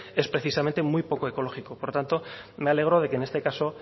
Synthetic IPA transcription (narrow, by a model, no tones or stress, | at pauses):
e̞spɾe̞θisamẽ̞nt̪e̞mujpo̞koeko̞lo̞xiko̞poɾt̪ant̪o̞meale̞ɣ̞ɾo̞ð̞e̞kene̞st̪e̞kaso̞